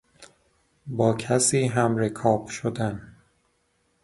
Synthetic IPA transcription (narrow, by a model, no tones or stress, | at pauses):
bɒːcʰæsiːɦæmɾekʰɒːb̥ʃod̪æn